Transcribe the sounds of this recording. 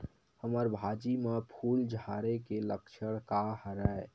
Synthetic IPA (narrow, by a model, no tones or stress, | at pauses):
həməɾbʱad͡ʒimepʰuld͡ʒʱaɾekeləkt͡ʃʰəɽ̃kahɾəe